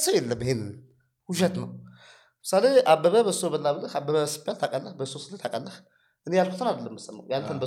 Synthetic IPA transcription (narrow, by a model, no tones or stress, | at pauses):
səwjɛlːəmbəhenɨ | huʃət̪nəw | mɨsaleʔabːəβəbəsːobəlːaβələhabːəβəəsɨ̥bjalt̪ʰakʼəlːəbəsosɨlːət̪ʰakʼəlːəh | ʔɨnejalkʰu̥t̪ʰɨnad̪əlːəmːɨsːəmːa̰wjalt̪ʰənbə